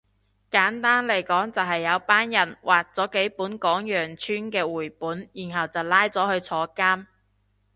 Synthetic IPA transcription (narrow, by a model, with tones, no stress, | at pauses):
kaː˨˥nt̪aː˥nlɐ˨˩jkɔː˨˥ŋt͡sɐ˨wɦɐ˨jːɐ˨˧wpaː˥njɐ˨˩nwʔaː˨k̚t͡sɔː˨˥ke˨˥jpuː˨˥nkɔː˨˥ŋjœː˨˩ŋt͡ʃʰyː˥nkɛː˧wuː˨˩jpuː˨˥njiː˨˩nɦɐ˨wt͡sɐ˨wlaː˥jt͡sɔː˨˥hɵ˧ɥt͡sʰɔː˨˧kaː˥m